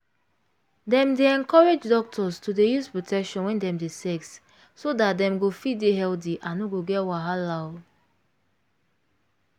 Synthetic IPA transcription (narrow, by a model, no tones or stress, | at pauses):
dɛ̃mdeɛ̃nkɔɹed͡ʒdɔk̚tʰɔstudejuspɹotʰɛkʃɔ̃nwɛ̃ndɛ̃mdesɛks | sodat̚dɛ̃mɡofideɦɛld̬iʔãnoɡoɡɛtwaɦalaʊd